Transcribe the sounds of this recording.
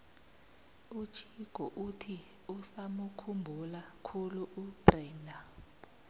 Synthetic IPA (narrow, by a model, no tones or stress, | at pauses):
ut͡ʃʰiɡ̥ʱɔʔutʰiusamukʰumbʱulakʰuluub̥rɛːndʱa